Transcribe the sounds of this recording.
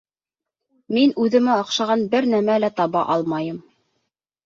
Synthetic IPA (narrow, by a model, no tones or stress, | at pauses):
minʉðɘ̆mæɑqʃɑʁɑnbɘɾnæmælæt̪ɑβɑʔɑlˠmɑjɤm